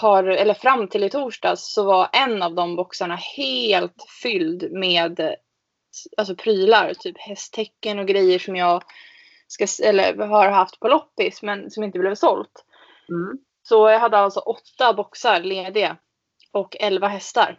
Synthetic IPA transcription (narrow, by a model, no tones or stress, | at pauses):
haɾɛlːəɾfɾamːt̪ʰɪlɪt̪ʰuːʂɖɑ̰ːssɔvaɾʔɛnːavd̪ɔmbɔksaɳaheːlt̪fʏld̪meːd̪ | als̬ɔpʰɾyːlaɾt̪ʰyːphɛst̪ʰːɛkːənɔɡɾɛjːəʂɔmjɑːɡ | skasɛlːə̰ɾaɾhɦaft̪pʰɔlɔpːɪsmɛnsɔmjɪnt̪əblɛːvsɔlt̪ | sɔjaɦad̪ːəalsɔʔɔt̪ːabɔksaɾleːd̪ɪa | ɔkːɛlvaɦɛst̪a̰ɾ